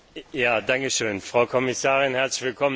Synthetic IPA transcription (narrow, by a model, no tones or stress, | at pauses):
jaːdaŋkəʃøːnfʁ̥aʊkʰɔmɪsaːʁɪnhɛɐt͡slɪçv̥ɪlkʰɔmə